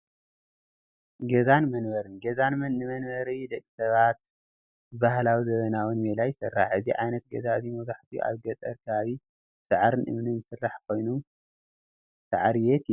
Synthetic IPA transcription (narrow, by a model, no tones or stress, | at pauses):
ɡɐzanmɐnbɐɾɨnɡɐzanmɐnːɨmɐnβɐɾid̪ɐkʼːi̥sɐβat̪̚ | ɨbahlawizɐβɐnawunmelajɪsɨrːaħɨziʕajnɐt̪̚ɡɐzazimɐzaħt̪ʰiʔa̰βɡɐt̪ʼɐɾkʰɐβaβi | sɨʕɾɨnʔɨ̰mnɨnzɨsɨrːaħkʰo̞jnu | sa̰ʕaɾjɛt̪